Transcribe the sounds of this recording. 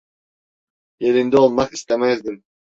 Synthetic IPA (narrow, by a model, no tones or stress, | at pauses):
jelind̪iolˠmɑqist̪emæzd̪im